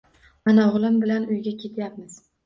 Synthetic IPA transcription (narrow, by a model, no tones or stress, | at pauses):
anɒʁlˠɪmbɪlanʊjɡʲakʲʰe̞t̪ʰjap̚mɪz̥